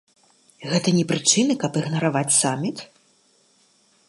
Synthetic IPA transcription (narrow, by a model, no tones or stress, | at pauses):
ɣɛt̪ɐnʲɛpɾɨt͡ʂɨnɨkɐpɨɣnɐɾavat͡sʲsamʲit̪